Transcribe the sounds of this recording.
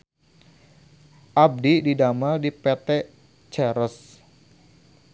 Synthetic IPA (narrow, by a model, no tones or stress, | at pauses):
ʔab̚dididamaldipɛt̪ɛ | t͡ʃɛɾəs